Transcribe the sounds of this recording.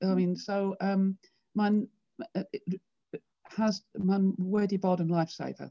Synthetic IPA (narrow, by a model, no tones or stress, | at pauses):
amĩnsowəːm | man | hazmanwɛːdibɔdə̃nlˠaɪfsḛɪvə̰